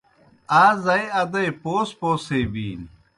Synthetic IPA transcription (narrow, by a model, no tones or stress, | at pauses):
aːzɐjɐd̪ɐjpoːspoːseːbiːn